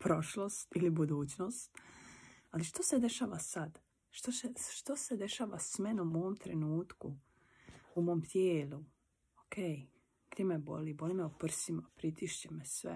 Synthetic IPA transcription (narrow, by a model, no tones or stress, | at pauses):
pɾo̞ʃlˠost̪ilibud̪uːt͡ɕno̞ːst̪ | aliʃt̪ose̞d̪e̞ʃaːʋasad̪ | ʃt̪oseʃt̪osed̪e̞ʃaːʋasme̞numoomt̪ɾenuːt̪ku | umo̞ːmt̪ʰjeːlu | okʰeːj | ɡ̥d̪jemebo̰libo̞limeopr̩simapɾit̪iʃt͡ɕemesʋḛ